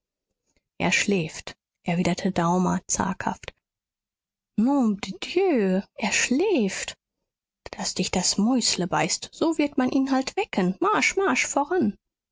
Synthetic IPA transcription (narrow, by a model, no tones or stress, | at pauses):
ʔḛːɐʃlɛːft | ʔɛɐviːdɐtʰədaʊmɐ̰t͡sa̰ɐkha̰ft | nudd̥jøːʔeːɐʃlɛːft | d̥asd̥ɪçd̥asmɔʏsləbaɪstz̥oːvɪɐtmanʔiːnɦaltv̥ɛkʰənmaɐʃmaɐʃfoːʁan